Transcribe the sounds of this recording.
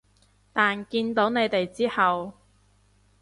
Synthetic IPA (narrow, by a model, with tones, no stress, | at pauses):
t̪aː˨nkiː˧nt̪o˨˥wne˨˧jt̪e˨jt͡siː˥hɐ˨w